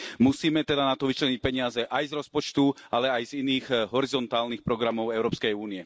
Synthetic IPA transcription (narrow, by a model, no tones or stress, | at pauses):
musiːmɛt̪ɛd̪anat̪ɔʋit͡ʃlɛɲic̚pɛɲɪazɛʔajzɾɔspɔt͡ʃt̪ualɛajziniːxɦɔɾizɔnt̪aːlnixpɾɔɡɾamɔʊɛʊɾɔːpskɛjuːniɛ